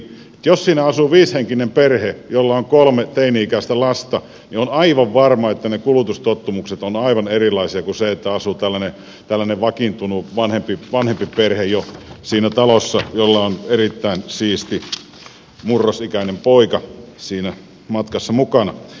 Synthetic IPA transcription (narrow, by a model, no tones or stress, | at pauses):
et̪jossiːnæɑsuʋiːsheŋkinemperhejolːɑoŋkolmet̪einiikæist̪ælɑst̪ɑ | nionɑiʋɑʋʋɑrmɑet̪ːænekulut̪ust̪ot̪ːumukset̪onɑiʋɑnerilˑɑisiɑkuseet̪ːæɑsut̪ælːæne | t̪ælːæneʋɑkint̪unuʋɑnhempiʋɑnhempiperhejjosiːnæt̪ɑlosːɑjolːɑonerit̪ːæinsiːst̪i | murːosikæinempoikɑsiːnæ | mɑt̪kɑsːɑmukɑnɑ̰